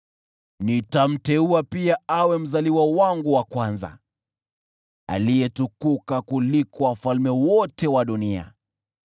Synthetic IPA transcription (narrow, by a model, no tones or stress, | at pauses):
nitam̩tɛuapiaawɛm̩zaliwawaŋɡuwakwanza̰ | a̰lijɛtukukakulikɔwafalmɛwɔtɛwaɗunia̰